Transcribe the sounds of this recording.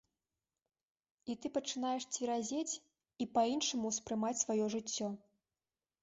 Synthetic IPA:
it̪ɨpɐt͡ʂɨn̪ajɛʂt͡sʲvʲiɾazʲet͡sʲ | ipɐinʂɐmuspɾɨmat͡sʲsvajɔʐɨt͡sʲːɔ

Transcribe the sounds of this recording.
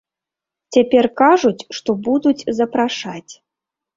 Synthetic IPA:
t͡sʲapʲɛrkaʐut͡sʲʂt̪ɔbud̪ut͡sʲzɐpɾaʂat͡sʲ

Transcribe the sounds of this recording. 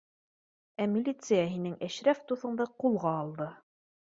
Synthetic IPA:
æmʲilʲit̪sɨjaɦinɘŋæɕɾæft̪uθɤ̆ɴd̪ɑqulˠʁɑːlˠd̪ɤ

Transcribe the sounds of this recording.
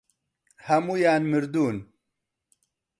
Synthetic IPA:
hɐmuːjaːnmɨɾd̪uːn

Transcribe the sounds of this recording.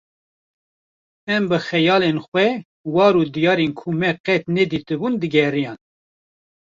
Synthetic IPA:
ɛmbɨxɛjɑːlenxʷwɛ | wɑːɾud̪ijɑːɾenkʰumɛqɛt̪nɛd̪iːt̪ɨbund̪ɨɡɛrijɑːn

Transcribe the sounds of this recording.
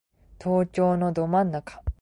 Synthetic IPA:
t̪ʰo̞ːt͡ɕo̞ːno̞d̪o̞mãnːakḁ

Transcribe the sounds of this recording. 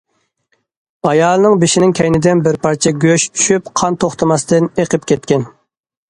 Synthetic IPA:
ɑjɑːlˠɨnɨŋbɪʃɪnɪŋkʲʰɛjnɪd̪ɪnbɪɾpɑɾt͡ʃʰiɡʲøʃt͡ʃ̪ʰy̥ʃypqʰɑnt̪ʰoχt̪ʰɑmɑst̪ɨneqʰɨp̚kʲʰɛt̪̚kʲɛn

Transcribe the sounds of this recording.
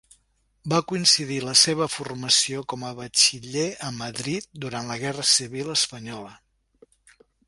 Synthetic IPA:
bakuinsiðiləseβ̞əfurməsiokɔməβət͡ʃiʎeəməðɾit̪̚d̪uɾant̪ləɣ̞ɛrəsiβiləspəɲɔlə

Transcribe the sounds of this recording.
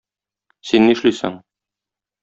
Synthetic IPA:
sinːĭʃlisɘ̰ŋ

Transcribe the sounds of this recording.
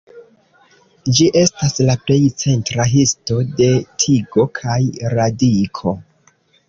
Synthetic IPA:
d͡ʒiʔe̞staslaple̞jt͡se̞ntɾaɦisto̞de̞tʰiɡo̞kʰajɾadikʰo̞

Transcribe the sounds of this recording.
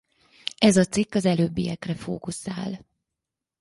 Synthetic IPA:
ɛzɒt̪sikːɒzɛløːbːijɛkrɛfoːkusaːl

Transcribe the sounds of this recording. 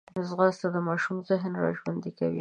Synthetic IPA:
ɪzɣɑst̪ad̪əmɑʃumzɪɦnɾɑ̰ʒwand̪ika̰wḭ

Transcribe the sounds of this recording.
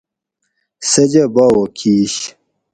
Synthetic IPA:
sɐd͡ʑɐbaːwokʰiːɕ

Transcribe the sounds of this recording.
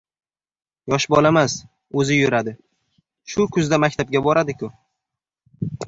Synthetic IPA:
jɒʃbɒlamas | ɵzɪjʊɾad̪ɪ | ʃʊkʰʊzd̪amakʲt̪ʰap̚ɡʲabɒɾad̪ɪkʰʲʊ

